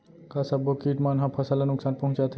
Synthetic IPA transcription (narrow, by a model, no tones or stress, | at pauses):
kasabokiːʈmanɦapʰɐsalanʊksaːnpɐɦũt͡ʃat̪ʰ